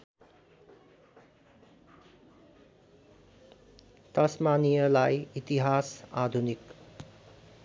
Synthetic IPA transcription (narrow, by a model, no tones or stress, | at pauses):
t̪ʌsmanijʌlajit̪iɦasad̪ʱunik